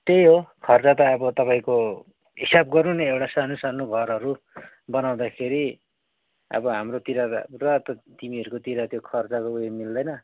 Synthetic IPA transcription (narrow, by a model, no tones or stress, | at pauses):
t̪ejɦokʰʌrt͡sat̪ʌːbʌt̪ʌpaĩko | ɦisab̚ɡʌɾuneewʈasanosanuɡʱʌɾʌɾu | bʌnaw̃d̪akʰeɾi | ʌ̰bʌɦamrot̪iɾarʌt̪ʌt̪imiɦʌɾukot̪iɾat̪jokʰʌrt͡sakoujemild̪ʌjnʌ